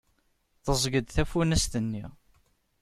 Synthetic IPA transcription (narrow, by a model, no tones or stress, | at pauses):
θəzˤɡəd̪θæfunæst̪ənːi